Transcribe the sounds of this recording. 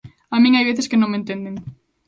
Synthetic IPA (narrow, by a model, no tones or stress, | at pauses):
amĩŋajβeθɪskɪnõŋmẽnt̪end̪eŋ